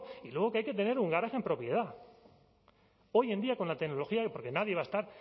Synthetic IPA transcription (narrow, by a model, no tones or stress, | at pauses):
ilweɣ̞okeajke̞t̪e̞ne̞ɾuŋɡaɾaxe̞mpɾo̞pje̞ð̞a | o̞je̞nd̪iako̞nlat̪e̞kno̞lo̞xiapo̞ɾke̞naðje̞β̞aest̪aɾ